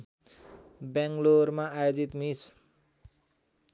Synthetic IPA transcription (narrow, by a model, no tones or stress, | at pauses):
baŋɡlormaːjod͡zit̪mis